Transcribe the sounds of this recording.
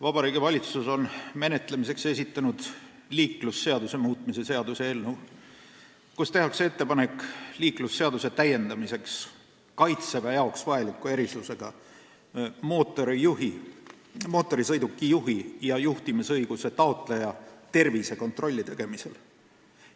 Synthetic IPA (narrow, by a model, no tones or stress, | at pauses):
vɑb̥ɑɾiːɡivɑlʲit̪suso̞nme̞ne̞t̪lemise̞kse̞sit̪ːˑɑnud̪̥ | liːkˑlusːe̞ɑd̪use̞muːt̪mise̞se̞ɑd̪useelnu | kust̪e̞hɑksee̞t̪ːe̞pɑne̞kːˑliːklusːe̞ɑd̪use̞t̪æje̞nd̪ɑmise̞ks | kɑjt̪sebæjɑoksvɑelikːˑue̞ɾisluse̞ɡ̥ɑ | moːt̪ːˑo̞ɾiuhi | mo̞ːt̪ːˑo̞ɾisɤjd̪ukːˑijuɦijɑjuht̪imisɤjɡ̥use̞t̪ɑo̞t̪ˑlejɑt̪e̞rvise̞ko̞nt̪ro̞lʲːit̪e̞ɡ̥e̞mise̞l